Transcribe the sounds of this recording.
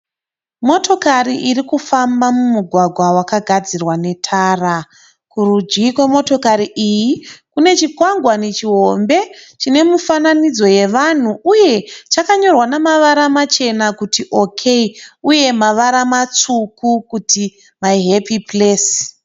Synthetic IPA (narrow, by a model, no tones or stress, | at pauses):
mo̞to̞kariʔirikufambamumuɡʱwaɡʱwawakaɡʱad͡zirwane̞tʰaːra | kurud͡ʒikwe̞mo̞to̞kaɾiʔijikune̞t͡ʃikwaŋɡwane̞t͡ʃiɦo̞mbe̞t͡ʃine̞mufananid͡zo̞je̞ʋan̤uuje̞t͡ʃakaɲo̞rwanamaʋaɾamat͡ʃe̞nakutiʔo̞kʰe̞iuje̞maʋaɾamat͡sukukuti | maiɦepipleːs